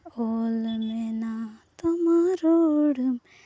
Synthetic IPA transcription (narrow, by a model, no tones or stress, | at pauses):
olmenat̪ɐmaɾoɽum